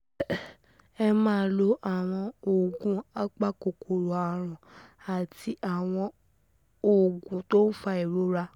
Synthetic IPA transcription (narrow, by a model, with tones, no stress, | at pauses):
ɛ˧mãː˦˧˦lo˦ʔa˨w̃ɔ̃˧o˨ɡũ˨˦a˦k͡pa˦ko˨kʰo˨ɾo˨a˨ɾ̃ã˨a˨ti˧ʔa˨w̃ɔ̃˧ | o˨ɡũ˨˦to˦n̩˦fa˧˦i˨ɾo˨˦ɾa˧